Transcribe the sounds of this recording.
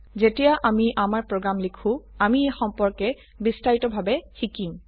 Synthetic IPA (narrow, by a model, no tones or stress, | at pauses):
zetijaʔamiʔamaɹpɹoɡɹamlikʰũamiexɔmpɔɹkɛ | bistaɹitɔbʱabɛxikim